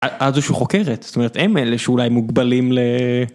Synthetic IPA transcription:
aʔazuʃuχokeʁet̪z̥t̪ome̞et̪emeleʃeulajmuɡbalimle

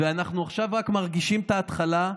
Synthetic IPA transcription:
veanaχnuaχʃavʁakmaʁɡiʃimt̪aːt̪χala

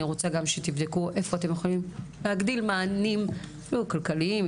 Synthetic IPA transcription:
iʁot͡saɡamʃet̪ivd̪ekuʔe̞fo̞at̪e̞mjexolimleaɡd̪ilmaːnim | lukalkaliim

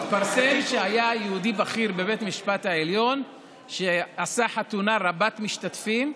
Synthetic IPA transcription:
faɾsemʃeajajeud̪ibaχiɾbe̞bet̪miʃpat̪haeljo̞n | ʃeasaħat̪unaʁabat̪miʃt̪at̪fim

